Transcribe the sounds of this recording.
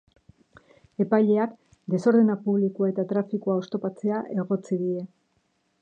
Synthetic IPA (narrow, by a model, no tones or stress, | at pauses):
e̞pajʎe̞ak | d̪e̞so̞ɾðenapuβlikuae̞t̪at̪ɾafikuaost̪o̞pat͡se̞aʔe̞ɣ̞o̞t͡siðiɾe̞